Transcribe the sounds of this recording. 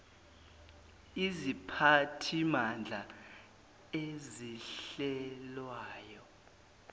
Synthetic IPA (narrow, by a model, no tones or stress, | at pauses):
izipʰatʰimand͡ɮʱa | eziɬɛlwaːjɔ